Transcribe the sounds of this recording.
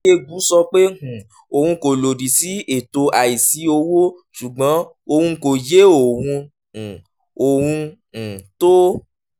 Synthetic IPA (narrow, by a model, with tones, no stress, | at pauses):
e˦˧ɡu˨˦sɔ˧k͡pe˦hũ˨ | o˨hũ˧ko˨lo˨di˨si˨˦e˨to˧a˨i˨si˨˦o˧wo˦ | ʃu˨ɡ͡bã˨˦ | o˧hũ˧ko˨je˨˦o˦˨wũ˧ | ũ˨ | o˨w̃ũ˧˨ | to˦